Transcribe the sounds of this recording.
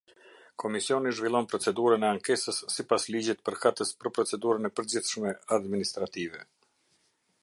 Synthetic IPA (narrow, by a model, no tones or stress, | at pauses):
kʰɔmisiɔniʒvilˠɔnpɾɔt͡sɛd̪uɾənɛaŋkɛsəsːipaslid͡ʑɛt̪̚pəɾkat̪əspəɾpɾɔt͡sɛd̪uɾənɛpəɾd͡ʑiθʃmɛad̪minist̪ɾat̪ivɛ